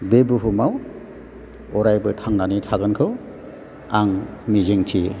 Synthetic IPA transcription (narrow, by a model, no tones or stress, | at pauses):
bebuɦumaw | ɔɾajbɯtʰaŋnanitʰaɡɯnkʰɯw | aŋmizeŋtʰi